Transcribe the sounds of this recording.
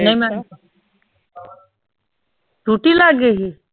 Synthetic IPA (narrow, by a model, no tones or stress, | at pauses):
nɐĩmɛ̃ | d͡ʒuːʈilaːɡeɦi